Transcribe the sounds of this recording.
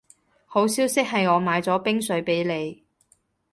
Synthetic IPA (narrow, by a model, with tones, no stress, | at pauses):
ho˨˥wsiː˥wsɪ˥k̚ɦɐ˨jŋɔː˨˧maː˨˧jt͡sɔː˨˥pɪ˥ŋsɵ˨˧˥ɥpe˨˥jle˨˧j